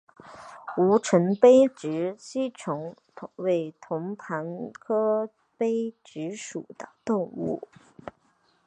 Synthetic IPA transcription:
u˧˥ʈ͡ʂʰə˧˥ŋpe˥ɪʈ͡ʂɻ̩˧˥ɕi˥ʈ͡ʂʰʊ˧˥ŋ | we˥˩ɪt̪ʰʊ˧˥ŋpʰa˧˥nkʰɤ˥ | pe˥ɪʈ͡ʂɻ̩˧˥ʂṵ˨˩d̪̥ə˦t̪ʊ˥˧ŋṵ˥˩

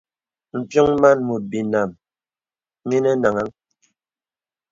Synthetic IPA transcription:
m̩˨pjɔ˦ŋma˦˨nmu˨t̚bi˨na˨m | mi˦nɛ˦na˨ŋa˦ŋ

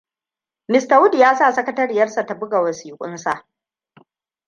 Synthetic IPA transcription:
nɪ˨sta˨wʊ˦di˨jaː˦saː˦˨sɐ˦kɐ˦tɐ˦ɾɪ˨jɐ˦rsa˨ta˨bʊ˦ɡa˨wɐ˨siː˨kʷʼʊ̰˦nsa˨ʔ

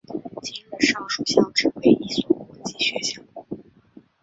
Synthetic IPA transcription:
t͡ɕi˥˩nɻ̩˧˥ʂɑ˥˩ŋʂu˨˩ɕjɑ˥˩ʊʈ͡ʂɻ̩˥˩xwe˥ɪʔi˥˩swɔ˨˩kwɔ˧˥t͡ɕi˥˩ɕɥɛ˧˥ɕjɑ˥˩ʊ

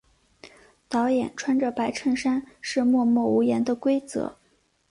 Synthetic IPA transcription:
t̪ɑ˧˥ʊjɛ˨˩nʈ͡ʂʰwa˥nʈ͡ʂə˨˩pa˧˥ɪʈ͡ʂʰə˥˩ŋʂa˥nʂɻ̩˥˧mwɔ˥˧mwɔ˥˩u˧˥jɛ˧˥nd̪ə˧kwe˥ɪt͡sɤ̰˧˥

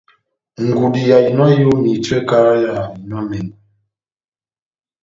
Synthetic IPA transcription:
ŋ̩˨ɡu˨di˨ja˨i˨nɔ˦jo˦mi˨twɛ˦ka˦ɾa˦ja˨i˨nɔ˦nɛ˨

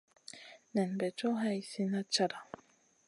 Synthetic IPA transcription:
nɛ˨nbɛ˨t͡ʃo˦ɦa˦i˨si˦na˦t͡ʃa˦ɾa˨

